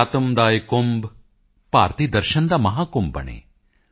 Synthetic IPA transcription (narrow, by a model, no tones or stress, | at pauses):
t̪ɐmd̪aːjkomb | paːɾt̪id̪ɐɾʃɐnd̪ɐmɐɦaːkombɐ̰ɳḛː